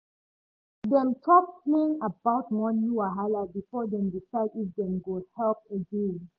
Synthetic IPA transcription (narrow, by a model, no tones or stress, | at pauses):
dɛ̃mtʰɔpplẽŋabaʊt̚mɔ̃njuaɦalabifɔdɛ̃mdifaɪdifdɛ̃mɡozhɛlp̚əɡẽn